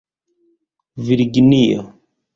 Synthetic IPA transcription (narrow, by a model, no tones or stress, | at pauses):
viɾɡinio̰